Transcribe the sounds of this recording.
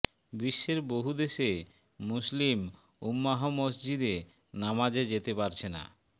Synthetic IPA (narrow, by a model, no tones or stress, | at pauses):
biʃːeɾboɦud̪eʃe | muslim | umːaɦomosd͡ʑid̪e | namad͡ʑed͡ʑet̪epaɾt͡ɕʰena̰